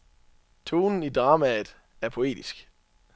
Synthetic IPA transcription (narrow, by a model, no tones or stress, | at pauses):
t͡sʰoːnn̩id̥ʁɑ̈ːmæðˠ | æɐpʰo̝e̝̰ːd̥isɡ̥